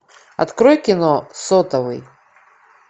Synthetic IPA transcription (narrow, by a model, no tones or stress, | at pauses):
a̰t̪kɾɔjkʲinɔsɔt̪ɐvɨ̰j